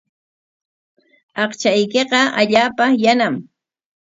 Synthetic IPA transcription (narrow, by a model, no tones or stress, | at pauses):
ɑqt͡ʃajkeqɑaʎaːpajanam